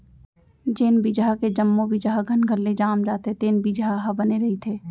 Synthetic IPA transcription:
d͡ʒeːnbid͡ʒaked͡ʒəmːobid͡ʒaɡʱɐnɡʱɐlːed͡ʒaːmd͡ʒaːt̪et̪eːnbid͡ʒaɦabɐneɾɐɦit̪ʰeː

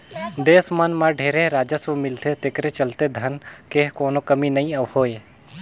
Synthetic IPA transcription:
d̪eːsmənmãɖʱeːɾeɾaːd͡ʒəsomɪlt̪et̪ekɾet͡ʃəlt̪ed̪ʱənkeːɦkoːnokəminəĩəʋhoːe

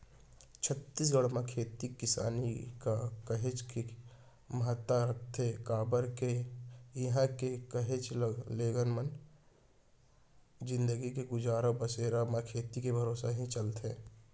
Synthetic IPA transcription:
t͡ʃʰət̪ːis̬ɡəɽmãkʰeːt̪ikɪsa̰ːnikakəɦet͡ʃki | məɦət̪ːaɾək̚ʰt̪ekaːbəɾkeɪɦãkekəɦet͡ʃleːɡənmən | d͡ʒɪ̃nd̪əɡikeɡʊd͡ʒaːɾəbəseːɾamãkʰeːt̪ikebʱəɾoːsaɦĩt͡ʃəlt̪ẽː

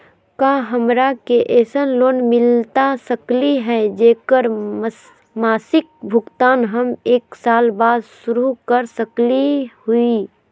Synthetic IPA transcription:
kãːɦəmɾakeʔɛːsənloːnmɪlt̪asəkliɦɛd͡ʒeːkəɾ | maːsɪk̚bʱʊɡt̪aːnɦəmeːksaːlbaːd̪sʃʊɾukəɾsəklihʊi

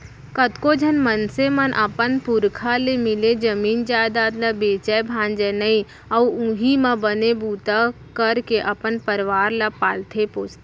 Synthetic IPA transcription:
kət̪kod͡ʒʱənmənsemənʔəpənpʊɾkʰalemɪled͡ʒəmiːnd͡ʒaːd̪aːt̪labeːt͡ʃɛebʱãːnd͡ʒɛnəi | ɐuʊ̃ɦimãbənebuːt̪a | kəɾkeʔɐpənpəɾʋaːɾlapaːlt̪ʰepoːt͡ʃt̪ː

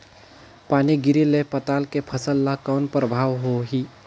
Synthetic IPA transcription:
paːniɡɪɾilepət̪aːlkepʰəsəlːakaʊnpɾəbʱaːʋɦoɦi

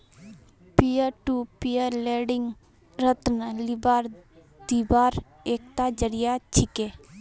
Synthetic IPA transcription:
pijəɾʈuːpijəɾleːɖɪŋɡ | ɾət̪nəlibaːɾ | d̪ibaːɾ | eːkt̪aːd͡ʒəɾijat͡ʃʰɪkeː

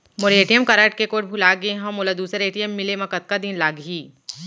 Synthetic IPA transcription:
moɾeːʈijəmkaɾaːʈ̚kekoːʈbʱulaːɡeɦɐ̃moːlad̪uːsəɾeːʈijəmːɪlemɐkət̪̚kad̪ɪnlaːɡɦiː

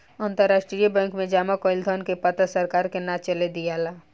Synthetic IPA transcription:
ãːnt̪əɾːaːsʈɾijəbɛ̃ːŋkmẽd͡ʒaːmakoːɪld̪ʱɔnkepət̪əsəɾkaːɾkenat͡ʃəled̪ijalaː

